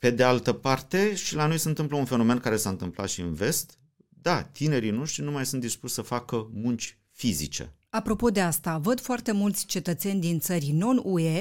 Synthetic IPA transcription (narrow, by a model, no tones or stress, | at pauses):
pe̞d̪ealt̪əpart̪e̞ʃilano̞jsəɨnt̪ɨmpləunfe̞no̞me̞nkaɾe̞saɨnt̪ɨmpla̰t̪ʃiɨnve̞st̪ | d̪at̪ine̞ɾino̞ʃt̪ɾinumajsunt̪d̪ispuʃʲsəfakəmunt͡ʃʲ | fizḭt͡ʃḛ | apɾo̞po̞d̪e̞ast̪avəd̪foart̪e̞mult̪sʲt͡ʃe̞t̪ət̪se̞nʲd̪int̪səɾʲno̞nue̞